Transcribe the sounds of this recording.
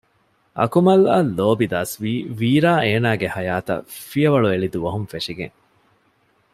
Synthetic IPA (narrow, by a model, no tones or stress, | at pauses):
ʔɐ̰kumɐlɐlːoːbid̪aːsʋiːʋiːɾaːʔeːnaːɡehɐjaːt̪ɐ̰fijɐʋɐɭueɭid̪uʋɐɦunfeʂiɡḛŋ